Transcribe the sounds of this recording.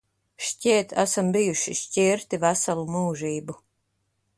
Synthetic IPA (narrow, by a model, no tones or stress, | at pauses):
ʃcʲiːt̪ʰa̰sambijuʃiʃcʲiːɾt̪ivasalˠumuːʒiːbu